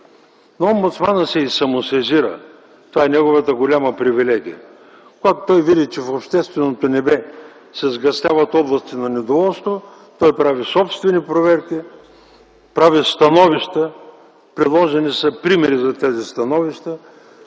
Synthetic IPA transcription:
noɔmbʊt̪smanəsɛisɐmosɛziɾə̰ | t̪ovaɛnɛɡovət̪əɡolʲaməpɾivilɛɡ̟ʲijə̰ | koɡat̪o̥t̪ɔjvid̪ʲit͡ʃɛfopʃt̪ɛst̪vɛnot̪onɛbɛ | sɛzɡɐst̪ʲjavət̪ɔblˠɐst̪inɐnɛd̪ovɔlˠst̪vo | t̪ɔjpɾavisɔpst̪vɛnipɾovɛɾkʲi | pɾavist̪ɐnɔviʃt̪ə | pɾilˠɔʒɛnisɐpɾimɛɾizɐt̪ɛzist̪ɐnɔviʃt̪ə

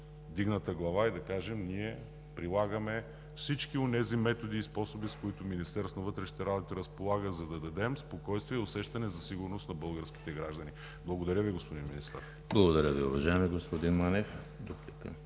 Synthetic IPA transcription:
d̪iɡnət̪əɡlˠɐvaid̪ɐkaʒɛmniɛ | pɾilˠaɡəmɛ | fsit͡ʃkionɛzimɛt̪od̪iːspɔsobiskoit̪ʊminist̪ɛɾsonɐvɤt̪ɾɛʃnit̪ɛɾabot̪iɾɐspolˠaɡəzɐd̪ɐd̪ɐd̪ɛmspokɔjst̪viɛʊsɛʃt̪ɐnɛzɐsiɡʊɾnosnɐbɤlˠɡəɾsk̟i̥t̪ɛɡɾaʒd̪ɐni | blˠɐɡod̪ɐɾʲjəviɡospod̪inminist̪ɐ̰ɾ | blˠɐɡod̪ɐɾʲəviʊvɐʒaɛmiɡospod̪inmanɛf | d̪oplikə̰

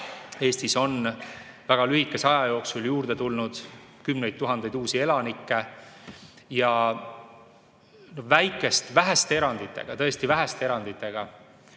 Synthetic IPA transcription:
e̞ːst̪iso̞n | væɡ̥ɑlyɦikːˑe̞sɑjɑjo̞ːksuljuːrd̪̥e̞t̪ulnud̪̥ | kymne̞jd̪̚t̪ːuɦɑnd̪̥ejd̪uːsie̞lɑnikːe̞ | jɑ | novæjkːˑe̞st̪væɦest̪ee̞ɾɑnd̪̥it̪ˑːe̞̰ɡ̥ɑt̪ɤ̞e̞st̪ivæɦæst̪eeɾɑnd̪̥it̪ːˑe̞ɡ̥ɑ

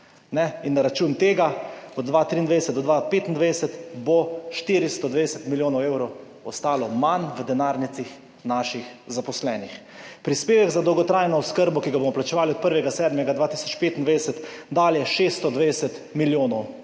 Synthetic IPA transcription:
nɛinːaɾat͡ʃuːnt̪eːɡaɔd̪d̪ːʋat̪ɾind̪ejd̪ɛsɛt̪ɔd̪ʋapeːt̪ind̪ʋɛdɛsɛt̪bɔʃt̪iːɾist̪ɔd̪ʋed̪ɛsɛt̪miljoːnɔweːwɾɔw | ɔst̪aːlɔmanʋəd̪ɛnaːɾnit̪six | naːʃixzapɔslɛːnix | pɾispeːʋɛɡzad̪ɔwɡɔt̪ɾaːjnɔɔskəɾbɔkiɡabomɔplat͡ʃɛʋaːliɔt̪̚pəɾʋɛɡasɛːd̪mɛɡad̪ʋaːt̪i̥sɔt͡ʃpeːt̪ind̪ʋed̪ɛsɛt̪ | d̪aːljɛʃest̪ɔd̪ʋed̪ɛsɛt̪ | miljoːnɔw

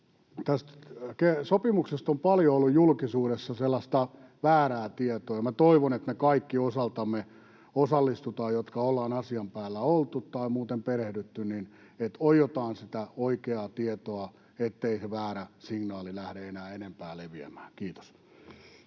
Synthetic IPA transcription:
t̪æst̪kesopimuksest̪ompɑljoolːujjulkisuːɾesːɑselːɑst̪ɑ | ʋæːræːt̪iet̪oːjɑmæt̪oiʋonet̪mekɑikːiosɑlt̪ɑmːe | osɑlːist̪ut̪ɑːjot̪kɑolːɑːnɑsiɑmpæːlːæolt̪ut̪t̪ɑimuːt̪emperehdyt̪ːynnin | et̪ojot̪ɑːnsit̪æoikeɑt̪iet̪oɑ | et̪ːeiseʋæːɾæsiŋnɑːlilæhɾeenæːenempæːleʋiæ̰mæːŋkiːt̪o̥s

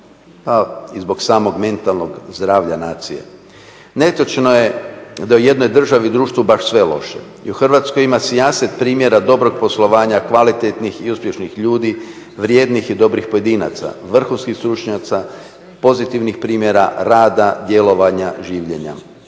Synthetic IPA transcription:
paizbo̞ɡsaːmo̞ɡme̞nt̪alˠnoɡzd̪ɾaːʋʎanaːt̪sije̞̰ | ne̞t̪ot͡ʃnoje̞d̪auje̞d̪no̞jd̪r̩ʒaʋid̪ɾuːʃt̪ʋubaʃsʋe̞lo̞̰ʃḛ | iuxr̩ʋat̪skojimasijaset̪pɾiːmje̞ɾad̪o̞bɾo̞ɡ̚po̞slˠo̞ʋaːɲakʋalit̪et̪nixiuspje̞ʃnixʎuːd̪i | ʋɾje̞ːd̪nixid̪o̞bɾixpo̞jed̪iːna̰t̪sa̰ʋr̩xunskixst̪ɾut͡ʃɲat̪sa | po̞zit̪iʋnixpɾiːmje̞ɾaɾaːd̪ad̪je̞lo̞ʋaɲaʒiːʋʎe̞ɲa̰

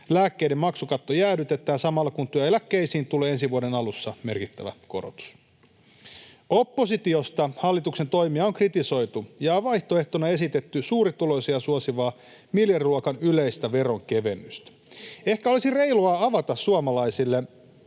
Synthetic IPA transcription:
læːkːejdemmɑksukɑt̪ːojæːdyt̪e̞t̪ˑæːnsɑmɑlːɑkunt̪uyelækːeisiːnt̪uleːensiʋuodenɑlusːɑme̞rkit̪ːæʋæ̰ko̞ɾot̪u̥s | o̞pːo̞sit̪io̞st̪ɑhɑlːit̪ukse̞nt̪o̞imiɑoŋkrit̪iso̞jt̪ujɑʋɑjht̪o̞e̞ht̪onɑe̞sit̪et̪ːysuːɾit̪ulo̞isiɑsuosiʋɑː | miljɑriluɑkɑnyleist̪æʋe̞ɾo̞ŋke̞ʋe̞mːyst̪æ̥ | e̞hkæo̞lisire̞iluɑɑʋɑt̪ɑssuɑmɑlɑisilːe

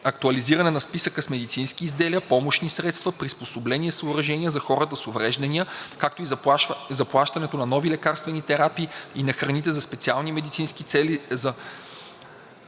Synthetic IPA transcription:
ɐk̚t̪uɐliziɾɐnɛnɐspisəkəsmɛd̪it̪sinskiːzd̪ɛliəpɔmoʃnisɾɛt̪st̪vɐpɾisposoblɛnʲiɛsoːɾɐʒɛnʲiəzɐxɔɾət̪əsovɾɛʒd̪ɐniəkak̚t̪oizɐplˠaʃt̪ɐnɛt̪onɐnɔvilɛkaɾst̪vɛnʲit̪ɛɾapiːinɐxɾɐnit̪ɛzɐspɛt̪sialˠnimɛd̪it̪sinsk̟it̪sɛlizɐ

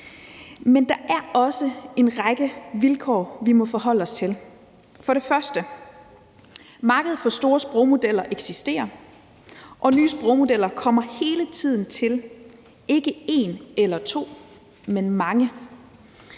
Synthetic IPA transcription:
mend̥ɑ̈ʔæɐɒ̽səe̝nʁɑ̈ɡ̥əʋilkʰɒ̰ːʋimɒ̽fɒ̽ɦɒ̽l̰əɒ̽st͡sʰel | fɒ̽ɾe̝fɶɐsd̥ə | mɑ̈ːɡ̥əð̞̩ˠfɒ̽sd̥o̝ːɐsb̥ʁoʊmo̝d̥el̰ɐʔeɡ̥sisd̥e̝̰ːɐ | ʔɒ̽nyːsb̥ʁoʊmo̝d̥el̰ɐkʰɒ̽m̰ɐhe̝ːlət͡sʰið̞̰ˠn̩t͡sʰe̝l | ʔe̝ɡ̥əe̝ːnelɐt͡sʰo̝̰ː | menmɑ̈ŋə

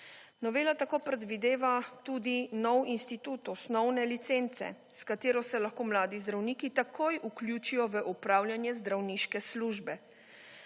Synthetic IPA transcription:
nɔʋeːlat̪akoːpɾɛd̪ʋid̪eːʋat̪ud̪inɔwinst̪it̪ut̪ɔsnɔwnɛlit̪sent̪sɛ̰ | skat̪eːɾɔsɛlaxkoːmlaːd̪izd̪ɾawniːkit̪akʰoːjʔuklʲjuːt͡ʃijɔʋəʔupɾaːwlʲjanjɛzd̪ɾawniːʃkɛsluʒbɛ

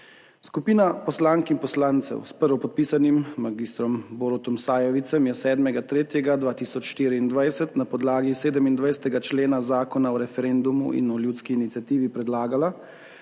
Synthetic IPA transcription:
skupiːnapɔslaːŋkinpɔslaːnt̪sɛ̰wspəɾʋɔpɔt̪̚piːsanimːaɡiːst̪ɾɔmboɾɔt̪ɔmsaːjɛʋit̪sɛmjɛsɛːd̪mɛɡat̪ɾeːt̪jɛɡad̪ʋaːt̪iːsɔt͡ʃʃt̪iːɾiːnd̪ʋajsɛt̪napɔd̪laːɡiseːd̪ɛmind̪ʋajsɛ̥t̪ɛɡat͡ʃleːnazaːkɔnaɔɾɛfɛɾend̪umṵḭnɔljuːt̪skiːnit̪sʲjat̪iːʋipɾɛd̪laːɡala

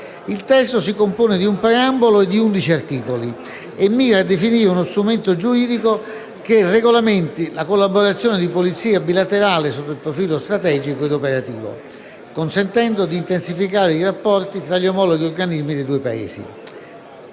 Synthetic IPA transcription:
ilt̪ɛst̪osikompoːned̪iumpɾeamboloed̪ːiund̪it͡ʃiart̪iːkoli | emːiːɾaːd̪ːefiniːɾeunost̪ɾument̪od͡ʒuɾiːd̪iko | kerːeɡolament̪ilakolːaboɾat̪sːjoːned̪ipolit̪siːabilat̪eɾaːlesot̪ːoilpɾofiːlost̪ɾat̪ɛːd͡ʒikoed̪opeɾat̪ḭːvo̰ | konsent̪ɛnd̪od̪iːnt̪ensifikaːɾeirapːɔrt̪it̪ɾaʎːomɔloɡiorɡanizmid̪ejd̪uːepa̰ḛːsḭ

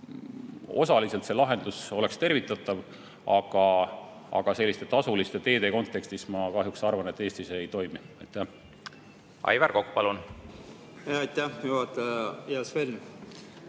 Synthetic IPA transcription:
o̞̰sɑlise̞lt̪se̞lɑɦe̞nd̪̥uso̞le̞kst̪e̞rvit̪ːˑɑt̪ːˑɑv | ɑɡ̥ɑ | ɑ̰ɡ̥ɑse̞lʲːist̪e̞t̪ɑsulist̪e̞t̪e̞ːd̪e̞ko̞nt̪ːˑe̞kst̪ismɑkɑɦjuksɑrvɑne̞t̪ːˑeːst̪iseejt̪o̞jmiɑ̰jt̪ːˑæh | ʔɑ̰jvæɾko̞kːu̥pɑlun | ɑjt̪ːæhjuɑt̪ejɑsveln

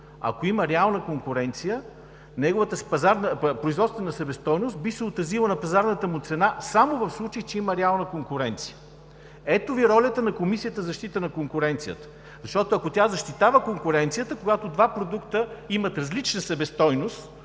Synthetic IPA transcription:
ɐ̰koiməɾɛalˠnəkoŋkʊɾɛnt̪sijə | nɛɡʊvət̪əspɐzaɾnəpɾʊizvɔt̪st̪vɛnɐsɐbɛst̪ɔjnʊst̪̚bisɛot̪ɾɐzilˠənɐpɐzaɾnət̪əmʊt̪sɛnasamovɐfslˠut͡ʃəjit͡ʃɛiməɾɛalˠnəkoŋkʊɾɛnt̪sijə̥ | ɛt̪oviɾɔlʲət̪ənɐkomisijət̪əzɐʃt̪it̪ənɐkoŋkʊɾɛnt̪sijə̰t̪ə̥ | zɐʃt̪ɔt̪oɐkot̪ʲazɐʃt̪it̪avəkoŋkʊɾɛnt̪sijət̪əkoɡat̪od̪vapɾod̪ukt̪əimət̪ɾɐzlit͡ʃnəsɐbɛst̪ɔjnost̪

